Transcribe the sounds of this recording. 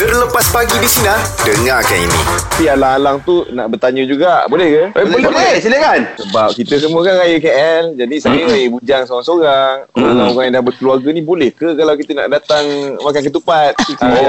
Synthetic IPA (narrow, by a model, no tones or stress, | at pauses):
t̪ərləpaspaɡidisinadəŋakanḭnḭapialaŋalaŋt̪una̰ʔbərt̪aɲəd͡ʒuɡaʔbolɛhkəɛsələkansəbap̚kit̪əs̬əmuəkanɾajəkeʔɛld͡ʒadisajəɾajəbud͡ʒaŋsoɾaŋsoɾaŋoɣãŋoɾaŋjaŋdahbərkəluarɡənĩbolɛhkəkalawkit̪əna̰ʔdat̪aŋmakankət̪upat̪̚usa